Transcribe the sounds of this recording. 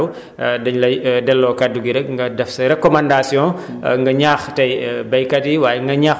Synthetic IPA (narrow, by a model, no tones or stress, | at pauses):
w | dɐɲlɐjdɛlːɔːkaduɡiɾɛkŋɡɐdɛfsɐɾɛkɔmãndasjɔ̃ː | ŋɡɐɲaːxtɐjbɐjkɐtiwaːjɛŋɡɐɲaː